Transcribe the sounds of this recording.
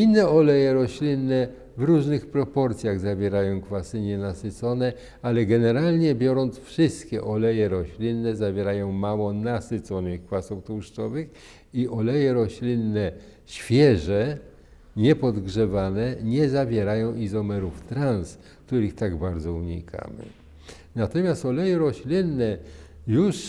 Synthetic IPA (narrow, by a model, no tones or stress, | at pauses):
inːɛɔlɛjɛɾɔɕlʲinːɛ | vɾuʐnɘxpɾɔpɔɾt̪sʲjaɣzavʲjɛɾajɔ̃w̃kfasɘɲɛnasɘt̪sɔnɛ | alɛɡɛnɛɾalɲɛbʲjɔɾɔnt̪sfʂɘst̪kʲɛʔɔlɛjɛɾɔɕlʲinːɛzavʲjɛɾajɔ̃w̃mawɔnasɘt̪sɔnɪxkfasuft̪uʂtɔvɘx | iʔɔlɛjɛɾɔɕlʲinːɛ | ɕfʲjɛʐɛ | ɲɛpɔd̪ɡʐɛvanɛɲɛzavʲjɛɾajɔ̃w̃ʔizɔmɛɾuft̪ɾans | kt̪uɾɘxt̪aɡbaɾd̪zɔuɲḭkʰa̰mɘ̰ | nat̪ɔmʲjast̪ɔlɛjɛɾɔɕlʲinːɛjuʂ